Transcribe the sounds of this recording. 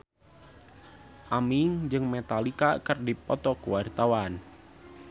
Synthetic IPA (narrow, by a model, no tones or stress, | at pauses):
ʔamiŋd͡ʒɨŋmɛt̪alikakɨrdipɔt̪ɔkuwart̪awan